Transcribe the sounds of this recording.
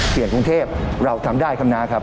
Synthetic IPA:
si˨˩ənku˧ŋt̪ʰeː˥˩p̚ɾa˧˩wt̪ʰa˧mdaː˥˩jkʰa˧mnaː˧˥kʰa˦˥

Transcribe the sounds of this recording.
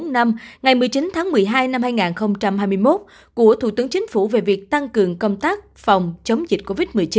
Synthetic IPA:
na˧mŋa˨˩jmɨ˨˩əjt͡ɕi˨˦nt̪ʰaː˨˦ŋmɨ˨˩əjɦaː˧jna˧mhaː˧jŋaː˨˩nxə˧wŋ͡mt͡ɕa˧mhaː˧jmɨ˧əjmo˦˥t̚ | ku˧˩ət̪ʰu˧˩t̪ɨ˨˦əŋt͡ɕï˨˦ŋ̟fṵ˧˩ve˨˩vi˨˩ək̚t̪a˧ŋkɨ˨˩əŋkə˧wŋ͡mt̪aː˦˥k̚fa˨˩wŋ͡mt͡ɕə˨˦wŋ͡mzï˨˩t̟̚ko˧vi˦˥t̚mɨ˨˩əjt͡ɕi˨˦n

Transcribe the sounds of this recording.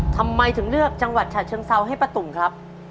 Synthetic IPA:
t̪ʰa˧mːa˧jt̪ʰɯ˩˦ŋɾɯ˥˩ək̚t͡ɕa˧ŋwa˨˩t̪̚t͡ɕʰaː˨˩t͡ɕʰɤː˧ŋsa˧wɦa˥˩jpɾa˧t̪u˨˩mkʰɾa˦˥p̚

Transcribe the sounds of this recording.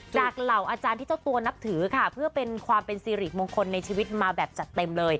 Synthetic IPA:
t͡ɕaː˨˩k̚la˨˩wʔaː˧t͡ɕaː˧nt̪ʰiː˥˩t͡ɕa˥˩wt̪u˧ɐna˦˥p̚t̪ʰɯː˩˦kʰa˥˩pʰɯ˥˩ɐpe˧nkʰwaː˧mpe˧nsiː˧ɾiː˨˩t̪̚moː˧ŋkʰo˧nːa˧jt͡ɕʰiː˧wi˦˥t̪̚maː˧bɛː˨˩p̚t͡ɕa˨˩t̪ːe˧mlɤː˧j

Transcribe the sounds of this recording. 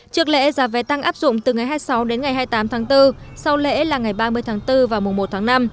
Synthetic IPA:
t͡ɕɨ˦˥ək̚lḛ˧˦zaː˨˦vɛ˨˦t̪a˧ŋʔaː˦˥p̚zʊ̰˧˨ŋ͡mt̪ɨ˨˩ŋa˨˩jɦaː˧jsa˨˦wɗe˨˦nŋa˨˩jɦaː˧jt̪aː˨˦mt̪ʰaː˨˦ŋt̪ɨ˧ | sa˧wlḛ˧˥laː˨˩ŋa˨˩jɓaː˧mɨ˧əjt̪ʰaː˨˦ŋt̪ɨ˧vaː˨˩wmʊ˨˩ŋ͡mmo˨˩t̚t̪ʰaː˨˦ŋna˧m

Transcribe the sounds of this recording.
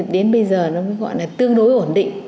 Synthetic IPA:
ɗe˨˦nɓə˧jzəː˨˩nɔ˨˦kɔ˨˦jɣɔ̰˧˨jlaː˨˩t̪ɨ˧əŋɗo˨˦jʔo˧˩nɗḭ̈˧˨ŋ

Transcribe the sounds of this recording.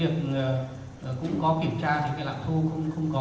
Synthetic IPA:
i˨˩ək̚ː | kʊ̰˧˥ŋ͡mkɔ˨˦ki˧˩əmt͡ɕaː˧vka˨˦la̰ː˧˨˩nt̪ʰu˧xə˧wŋ͡mxə˧wŋ͡mkɔ˨˦

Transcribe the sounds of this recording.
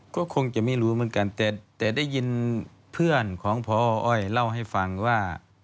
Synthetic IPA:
kɔː˧˥˩kʰo˧ŋt͡ɕa˧˩miː˧˥˨luː˧˩˦mɯ˧˦ə˨nka˨nt̪ɛː˧t̪ɛː˧˩da˥˩˨jːi˧˥n | pʰɯ˧˩˨ənkʰɔː˨˦ŋpʰɔː˧ʔɔː˧˩jla˧˨wɦa˥˩jfa˨˧ŋwaː˧˩

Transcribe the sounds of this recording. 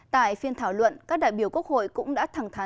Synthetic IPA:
t̪a̰ː˧˨jfi˧ənt̪ʰaː˧˩wlwə̰˧˨nkaː˦˥k̚ɗa̰ː˧˨jɓi˧˩əwku˦˥ək̚ho̰˧˨jkʊ̰˧˥ŋ͡mɗa̰ː˧˥t̪ʰa˨˩ŋt̪ʰa˨˦

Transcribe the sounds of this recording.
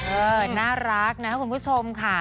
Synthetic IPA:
ʔɤː˧naː˥˩ɾa˦˥k̚na˦˥kʰa˥pu˩˦mkʰu˦˥t͡ɕʰo˧mkʰa˥˩

